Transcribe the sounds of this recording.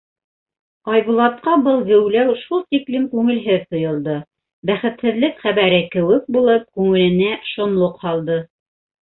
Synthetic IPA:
ɑjbulˠɑt̪̚qɑbɤlˠɣɘ̆wlæwʃulˠt̪iklɘmkʉŋɘ̆lɦɘðt̪ŏjŏlˠd̪ɤ | bæχɘ̆t̪hɘ̆ðlɘkχæβæɾɘkɘ̆wɘk̚bulˠɤp̚kʉŋɘ̆lɘ̆næʃŏnlˠoqhɑlˠd̪ɤ

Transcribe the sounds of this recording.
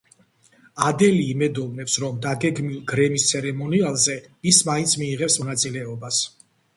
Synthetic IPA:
ad̪ɛliːmɛd̪ɔvnɛpsɾɔmd̪aɡɛɡmilˠɡɾɛmist̪sʰɛɾɛmɔnialˠzɛismaint̪sʰmiːʁɛpsmɔnat̪sʼilɛɔbas

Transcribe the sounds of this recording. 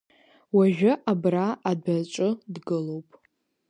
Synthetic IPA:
waʒᶣʊʔabraːdat͡ʃʷʼʊdɡɨlo̞wpʼ

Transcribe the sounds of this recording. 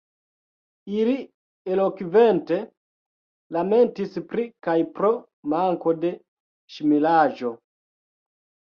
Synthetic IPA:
ili | elokive̞nte̞ | lame̞ntispɾikajpɾo̞ | maŋko̞de̞ | ʃimilaʒo̞

